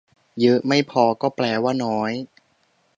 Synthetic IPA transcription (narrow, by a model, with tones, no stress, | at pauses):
jɤ˦˥ʔma˥˩jpʰɔː˧kɔː˥˩plɛː˨˩waː˥˩nɔː˦˥j